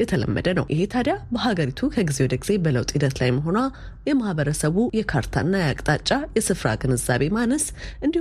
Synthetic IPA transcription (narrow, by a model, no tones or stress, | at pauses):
jɛt̪ʰələ̰mːə̰d̪ənə̰wʔɪɦe̞t̪ʰad̪jabəɦaɡəɾit̪ʰukʰəɡizewɔd̪əɡiz̥e̞bələwt̪ʼhid̪ət̪lajməɦo̞na | jɛmahβəɾəsəβujɛkʰaɾt̪ʰa̰ɨnːajakʼt̪ʼat͡ʃʼːajɛsɨfɾa̰ɡɨnɨzːaβe̞manəsʔɨnd̪i